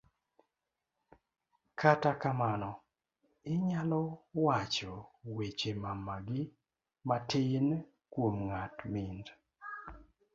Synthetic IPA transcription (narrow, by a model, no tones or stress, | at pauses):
kʰatakamanɔ | ɪɲalɔwat͡ʃɔwet͡ʃemamaɡɪ | matɪn | kwomŋatmɪnd